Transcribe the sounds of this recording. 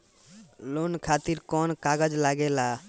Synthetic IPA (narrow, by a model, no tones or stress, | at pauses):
lonkʰat̪iɾkɔnkaɡəd͡ʒlaɡɛla